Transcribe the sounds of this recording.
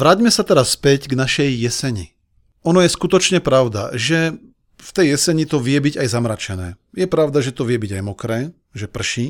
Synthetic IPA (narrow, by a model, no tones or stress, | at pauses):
ʋɾaːɟmɛsat̪ɛɾasːpɛɟɡnaʃɛjːɛsɛɲi | ɔnɔjɛskut̪ɔt͡ʃɲɛpɾaʊd̪a̰ʒɛ | ft̪ɛjːɛsɛɲit̪ɔʋɪɛbiɟajzamɾat͡ʃɛnɛː | jɛpɾaʊd̪aʒɛt̪ɔʋɪɛbiɟajmɔkɾɛː | ʒɛpr̩ʃi